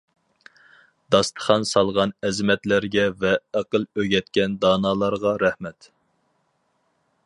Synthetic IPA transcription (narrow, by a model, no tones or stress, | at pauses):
d̪̥ɑst̪ʰə̥χɑnsɑlˠʁɑnɛzɪmɛt̪læɾɡʲɛvɛːqəlˠøɡʲɛt̪̚kʲɛnd̪ɑːnɑːlˠɑɾʁɑɾɛhmɛt̪